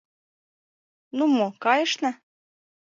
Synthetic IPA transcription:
numokɑjɤ̆ʃnɑ

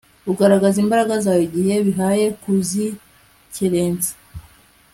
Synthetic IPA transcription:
uɡaɾaɡazimbaɾaɡazaːjo̞ɟihe̞βiɦaːje̞kuzi | ceɾe̞ːnzḁ

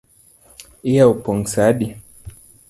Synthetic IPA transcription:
ijaupɔŋsaɗi

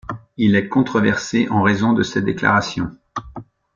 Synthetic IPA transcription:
ilɛkɔ̃t̪χɔvɛʁseʔɑ̃ʁezɔ̃d̪əsɛd̪ekla̰ʁasjɔ̰̃

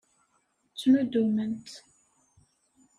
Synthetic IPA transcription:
t͡sːmud̪umənt̪

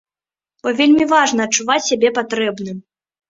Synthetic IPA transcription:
b̥ɔvʲelʲmʲivaʐnɐːt͡ʂːuvat͡sʲsʲabʲɛpat̪ɾɛbnɨm

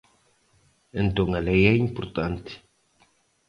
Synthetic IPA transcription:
ẽnt̪õŋɐlejɛimpoɾt̪ãnt̪i̥

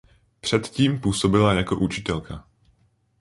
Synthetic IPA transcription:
pr̥ɛt̪ciːmpuːso̞bɪlajako̞̰ʔut͡ʃɪ̥t̪ɛlkʰa

